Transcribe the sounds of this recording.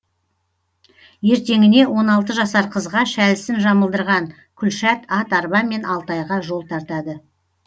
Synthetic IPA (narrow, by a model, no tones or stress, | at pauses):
je̞ɾt̪e̞ŋɪne̞wʔo̞nɑlˠt̪əʒɑsɑɾqʰəzʁɑʃælɪsɪnʒɑməlˠd̪əɾʁɑɴ | kʲʰʏlʃæt̪ɑt̪ɑɾbɑme̞nɑlˠt̪ɑjʁɑʒo̞lˠt̪ʰɑɾt̪ɑd̪ə